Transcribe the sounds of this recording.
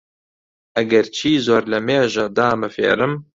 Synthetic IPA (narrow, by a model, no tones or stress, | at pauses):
ɐɡɐɾt͡ʃʰiːzoːɾlɐmeːʒɐd̪aːmɨfḛːɾɨm